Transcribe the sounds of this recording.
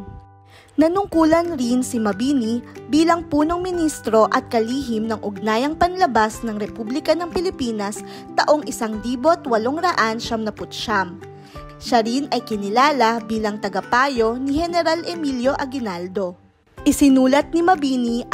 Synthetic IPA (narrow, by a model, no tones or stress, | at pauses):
nɐnʊŋkuːlɐnɾinsimɐbiːnibiːlɐŋpuːno̞ŋmɪnist̪ɾo̞ʔɐt̪̚kɐliːɦɪmnɐŋʔʊɡ̚naːjɐŋpɐnlɐbasnɐŋɾɛpublɪkɐnɐŋpɪlɪpiːnɐs | t̪ɐʔo̞ŋʔɪsaŋd̪iːbot̪wɐloŋɾɐʔanʃɐmnɐpʊt̪̚ʃam | ʃaɾinɐjkɪnɪlaːlɐbiːlɐŋt̪ɐɡɐpaːjo̞nihɛnɛɾalʔɛmiljo̞ʔɐɡɪnald̪o̞ | ʔɪsɪnuːlɐt̪̚nimɐbiːni